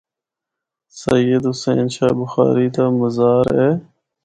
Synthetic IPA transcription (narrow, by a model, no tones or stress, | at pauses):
sɐjəd̪ɦʊsḛːnʃaːbʊxa̰ːɾiːt̪aːməzaːɾeː